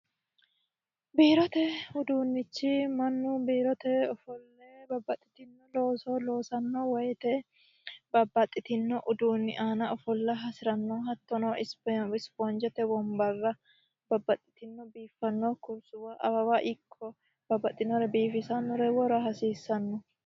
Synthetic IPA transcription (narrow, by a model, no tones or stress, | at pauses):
biːɾɔt̪ɛʊd̪uːnːɪt͡ʃːɪmɐnːʊbiːɾɔt̪ɛɔfɔlːebɐbːɐt̪ʼːɪ̥t̪ɪnːɔloːsoːlo̞ːsɐnːowɔjɛt̪ɛ | bɐbːɐt̪ʼːɪt̪ɪnːɔʔʊd̪uːnːɪʔaːnɐɔfɔlːɐɦɐsɪɾɐnːoːɦɐt̪ːɔnoːʔɪsbɛbɪsbɔnd͡ʒɛt̪ɛbɔmbɐrːɐ | bɐbːɐt̪ʼːɪ̥t̪ɪnːɔbiːfːɐnːɔkʊɾsʊwaʔɐbɐwaʔɪkʰːɔ | b̥ɐbːɐt̪ʼːɪnːɔɾɛbiːfɪsɐnːɔɾɛwɔɾɐɦɐsiːsːɐnːɔ